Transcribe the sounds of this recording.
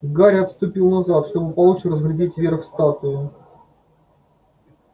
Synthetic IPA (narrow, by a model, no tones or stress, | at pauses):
ɡaɾʲɐt̪st̪ʊpʲilˠnɐzat̪ʂt̪obəpɐlˠut͡ɕɪrəzɡɾʲɪdʲetʲvʲerfst̪at̪ʊʊ